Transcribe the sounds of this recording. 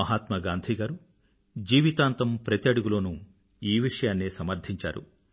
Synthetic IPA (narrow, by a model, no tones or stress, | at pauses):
ɐɦaːt̪mɐɡaːnd̪ʱiːɡaːɾu | d͡ʒiːʋit̪aːnt̪ɐmpɾɐt̪jɐɽuɡuloːnu | iːʋiʂɐjaːnːesɐmɐɾd̪ʱiɲt͡ʃa̰ːɾṵ